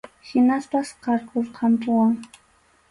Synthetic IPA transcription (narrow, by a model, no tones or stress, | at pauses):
hɪnaspasqɑɾkʰoɾqʰɑmpʊwaŋ